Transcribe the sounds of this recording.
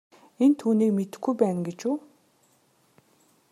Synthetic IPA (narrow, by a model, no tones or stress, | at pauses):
ent̪ʰuːniːkmet̪ɘ̆xɡujpæːnɡet͡ɕuː